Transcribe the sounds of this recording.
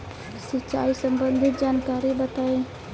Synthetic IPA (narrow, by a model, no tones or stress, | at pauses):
sit͡ʃaisəmbənd̪ʱit̪̚d͡ʒankaɾibət̪ae